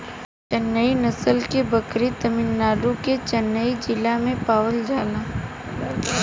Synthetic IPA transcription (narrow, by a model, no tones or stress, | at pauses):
t͡ʃənːəinɐsəlkebɐkɾit̪ɐmɪnːaːɾũket͡ʃɐnːəid͡ʒɪlamẽpaːwəld͡ʒaːlãː